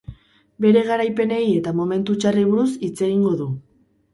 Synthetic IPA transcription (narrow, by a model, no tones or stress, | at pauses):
be̞ɾe̞ɣ̞aɾajpe̞ne̞je̞t̪amo̞me̞nt̪ut͡ʃariβuɾusit͡se̞ɣiŋɡo̞ðu